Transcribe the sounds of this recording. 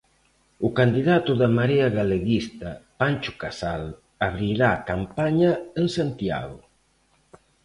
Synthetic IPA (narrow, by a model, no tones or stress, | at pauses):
ʊkand̪iðat̪ʊðamaɾeaɣaleɣist̪apant͡ʃʊkasal | aβ̞ɾiɾaːkampaɲaensant̪ja̰ɣʊ